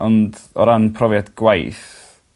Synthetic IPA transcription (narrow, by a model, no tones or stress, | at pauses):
ɔndɔ̰ɾanpʰrɔvjadɡ̥wajθ